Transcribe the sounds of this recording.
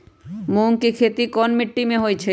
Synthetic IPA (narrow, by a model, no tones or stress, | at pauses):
moŋkikʰet̪ikɔnmiʈːimeɦoet͡ɕʰe